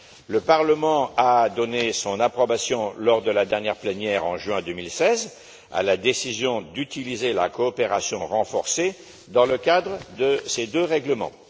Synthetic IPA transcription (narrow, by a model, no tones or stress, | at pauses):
ləpaʁləmɑ̃ad̪ɔnesɔ̃napχɔbasjɔ̃lɔʁd̪əlad̪ɛʁnjɛʁplɛnjɛʁɑ̰̃ʒɥɛ̃d̪ømilsɛz | a̰lad̪esizjɔ̃d̪yt̪ilizela̰kɔːpeʁasjɔ̃ʁɑ̃fɔʁse | d̪ɑ̃ləkad̪ʁəd̪əsed̪øʁɛɡləmɑ̰̃